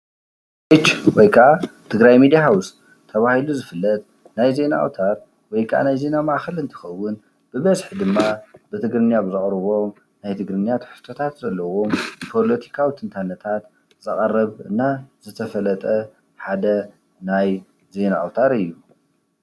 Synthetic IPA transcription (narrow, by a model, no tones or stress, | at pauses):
et͡ʃwɔjkʰɐʔat̪ʰɨɡɾajmid̪ijaɦaws | t̪ʰːɐβahiluzɨfɨlːɐt̪̚ | najze̞naʔa̰wt̪ʰaɾ | wɔjkʰʔa̰najze̞namaʔxɐlɨnt̪ʰɐ̥xɐwːʊn | b̥ɨβɐzħid̪ɨmːab̥ɨt̪ʰɨɡɾɨnjabɨzɨχʼɾɨβo̞m | najt̪ʰɨɡɾɨnjat̪ħɨ̥st̪ʰo̞t̪ʰat̪zɐlːɐwo̞mpʰo̞lot̪ʰi̥kʰawit̪ʰɨnt̪ʰanːɐt̪ʰat̪ | zɨxʼɐrːɐβɨnːazɨt̪ʰɐfɐlɐt̪ʼɐ | ħad̪ɐ | naj | ze̞naʔwt̪ʰaɾɨjːu